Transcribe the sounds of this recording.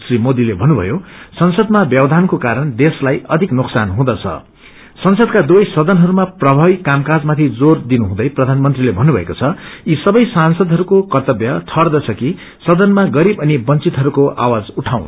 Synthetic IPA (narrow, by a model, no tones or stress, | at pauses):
srimod̪ilebʱʌnubʱʌ̰josʌnsʌd̪mabjʌbʌd̪ʱankokaɾʌnd̪eslajʌd̪ʱiknuksanɦũd̪ʌt͡sʰʌ̰ | sʌnsʌd̪̚kad̪uʌjsʌd̪ʱʌnɦʌɾumaprʌbʱabikamkad͡zmat̪ʰid͡zord̪inuɦũd̪ʌjprʌd̪ʱanmʌnt̪rilebʱʌnubʱʌ̰ḛkot͡sʰʌisʌbʌjsansʌd̪ʱɦʌɾukokʌrt̪ʌbjʌt̪ʰʌrd̪ʌt͡sʰʌki | sʌd̪ʌnmaɡʌɾibʌnibʌnt͡sit̪ɦʌɾukoʔa̰wad͡zuʈʰaw̃n